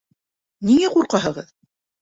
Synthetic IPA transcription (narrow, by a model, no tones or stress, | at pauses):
niŋæquɾqɑɦɤ̆ʁɤð